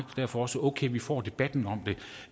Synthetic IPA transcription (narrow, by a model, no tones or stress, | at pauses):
d̥æɐ̰fɒ̽ɒ̽səoʊkʰeɪʋifɒ̰ːd̥e̝b̥æd̥n̩ɒ̽m̰d̥e̝